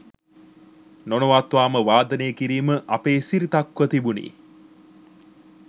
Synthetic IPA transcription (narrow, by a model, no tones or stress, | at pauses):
nonoʋat̪ʋaːməʋaːd̪ɐnejːkiɾiːməʔapeːsiɾit̪akʋət̪ibunḭː